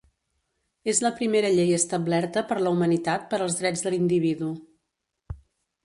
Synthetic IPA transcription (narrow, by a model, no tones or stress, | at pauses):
ezləpɾimeɾəʎejəst̪əblɛɾt̪əpəɾləumənit̪at̪̚pəɾəlˠzðɾɛd͡zðəlind̪iβ̞iðu